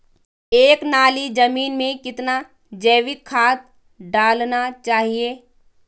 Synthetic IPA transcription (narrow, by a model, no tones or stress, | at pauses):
eːknaːlid͡ʒɐmiːnmẽkɪt̪na | d͡ʒɛːʋɪkʰːaːt̪̚ | ɖaːlnat͡ʃaːɦieː